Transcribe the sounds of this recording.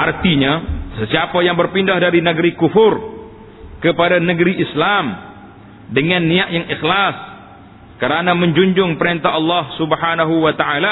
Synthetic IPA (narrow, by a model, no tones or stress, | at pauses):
ʔart̪iɲasəsiapajaŋbərpindahdaɾinəɡəɾikufʊr | kəpadanəɡəɾiʔislam | dəŋanːiaʔjaŋixlas | kəɾanaməɲd͡ʒuɲd͡ʒʊŋpəɾint̪aɦɑlːɑhsubhanaɦuwat̪aala